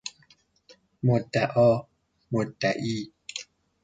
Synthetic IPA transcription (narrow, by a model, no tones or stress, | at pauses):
motaʔɔ | motaʔi